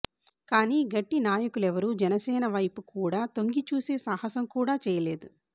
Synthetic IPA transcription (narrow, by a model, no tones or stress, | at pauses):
kaːniːɡɐʈːinaːjɐkulɛʋɐɾuːd͡ʒɛnɐsɛːnɐʋɐjpukuːɽaːt̪o̞ŋɡit͡ʃuːse̞ːsaːhɐsɐmkuːɽaːt͡ʃɛːjɐle̞ːd̪u